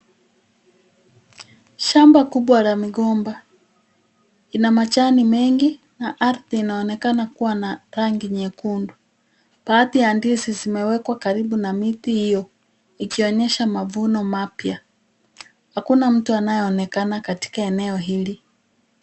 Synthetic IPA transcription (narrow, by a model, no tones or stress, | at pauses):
ʃambakuɓwalamiɠɔmba | inamat͡ʃanimɛŋɡi | naʔaɾθiːnaɔnɛkanakuwanaɾaŋɡiɲɛkundu | paθiandisizimɛwɛkwakaɾiɓunamitihijɔ | ikiɔɲɛʃamavunɔmapja | hakunam̩tuanajɛɔnɛkanakati̥kaɛnɛɔɦili